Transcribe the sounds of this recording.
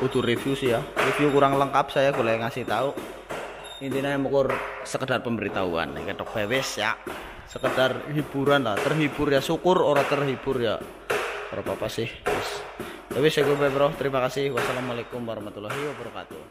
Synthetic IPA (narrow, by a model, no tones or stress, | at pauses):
ut̪urefjusijarefjukuɾaŋləŋkap̚sajaɡolajŋasɪht̪auʔ | int̪inajamukʊrsəkədarpəmbəɾit̪aṵa̰n̰kəd̥ɔk̚pewɪsja | səkəd̥arhib̥uɾanlat̪ərɦibʊrjasukʊroɾat̪ərɦib̥ʊrja̰ | oɾapapasɪhwɛspewɪsakubebɾɔht̪əɾimakasɪhwasalamalekʊmwaɾɔhmat̪ulaɦiwabəɾəka̰t̪ṵ